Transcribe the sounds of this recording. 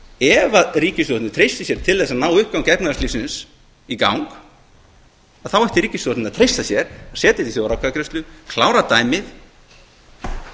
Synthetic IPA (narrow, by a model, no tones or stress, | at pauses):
ɛvaðriːcɪst̪ɔt̪nɪt̪ʰɾejst̪ɪsjɛɾ̥t̪ʰɪlðθɛsːaðnaːwʏhp̚kawncɛpnaðɾst̪lisɪns | ika̰wŋk | aðθawɛjht̪ɪɾiːcɪst̪ɔt̪nɪaðt̪ʰɾejst̪asjɛɾ̥asɛːt̪ɪt̪iθjowɾawkʰaðkɾʏst̪lʏkʰlaːwɾat̪aːjmɪθ